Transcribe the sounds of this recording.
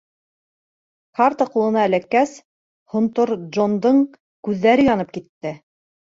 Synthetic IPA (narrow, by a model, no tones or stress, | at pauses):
kɑɾt̪ɑqulˠɤ̆nɑːlækːæs | hŏnt̪oɾʒond̪ɤɴ | kʉðːæɾɘjɑnɤp̚kit̪ːɘ